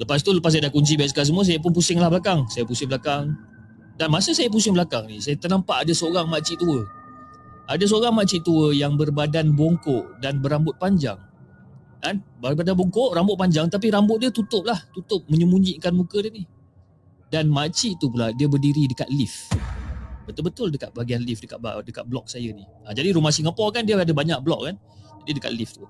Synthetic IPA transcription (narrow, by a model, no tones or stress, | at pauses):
ləpas̬t̪uləpas̬ajadakuɲs̬ibaiʔs̬kaʔs̬əmuas̬ajap̬ʊnp̬usɪŋlahbəlakaŋsajapusɪŋbəlakaŋ | danmasəsajap̬usɪŋbəlakaŋnisajat̪ənampaʔadasəoɾaŋmat͡ʃiʔt̪uə | ʔadas̬əoɾaŋmat͡ʃiʔt̪uəjaŋbərbadanboŋkɔʔdanbəɾambʊt̪̚paɲd͡ʒa̰ŋ | ʔanbabadanboŋkoʔrambʊt̪̚paɲd͡ʒaŋt̪ap̬iɾambʊt̪̚diət̪ut̪ʊp̚laht̪ut̪ʊp̚məɲəmuɲd͡ʒiʔkanmukədiəni | danmat͡ʃiʔt̪up̬uladiəbərdiɾidəka̰t̪̚lif | bət̪ʊlbət̪ʊldəkat̪̚baɡianlifdəkat̪̚dəka̰t̪̚blɔk̚sajəniʔad͡ʒadiɾumahsiŋapɔkandiəadəbaɲak̚blɔk̚kan | d͡ʒadidəka̰t̪̚lift̪u